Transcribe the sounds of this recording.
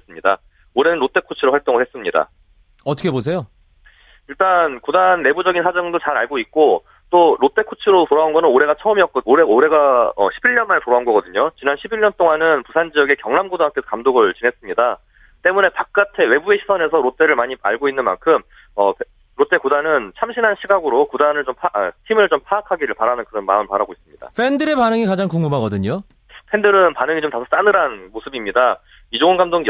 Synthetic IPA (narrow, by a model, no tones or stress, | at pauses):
es͈ɯmɲida̰ | oɾe̞nɯnɾot͈e̞kʰot͡ɕʰɯɾoɸaɭt͈oŋɯɭhes͈ɯmɲida̰ | ʌtʰʌ̥kʰebos̬ʰe̞jo | iɭt͈ankudanːe̞bud͡ʑʌɡinsʰad͡ʑʌŋdot͡ɕaɾaɭɡoik̚k͈o | t͈oɾot͈e̞kʰot͡ɕʰɯɾotoɾaunɡʌnɯnoɾe̞ɡat͡ɕʰʌʌmiʌk̚k͈ʌoɾeoɾe̞ɡaʌ̰ɕʰibiɭɲʌnmanetoɾaunɡʌɡʌdɯɲot͡ɕinanɕʰibiɭɲʌnt͈oŋanɯnpusʰand͡ʑiʌɡe̞kjʌŋnamɡodoak͈ʰesʰʌ̥kamdoɡɯɭt͡ɕinɦe̞s͈ɯmɲida | t͈e̞mune̞pak̚k͈atʰe̞we̞bueɕʰisʰʌne̞sʰʌɾotʰe̞ɾɯɭmaɲia̰ɭɡoinːɯnma̰nkʰɯm | ʌpʰ | ɾot͈ʰe̞kodanɯnt͡ɕʰamɕʰinɦanɕʰiɡaɡɯɾokodanɯɭt͡ɕompʰatʰimɯɭt͡ɕompʰaakʰaɡiɾɯɭpaɾanɯnkɯɾʌnma̰ɯmpaɾaɡois͈ɯmɲida̰pʰe̞ndɯɾe̞panɯŋikad͡ʑaŋkuŋmumɦaɡʌdɯɲo | pʰe̞ndɯɾɯnpanɯŋit͡ɕomtasʰʌs͈anɯɾanmosʰɯbimɲida | id͡ʑoɯnɡamdoŋ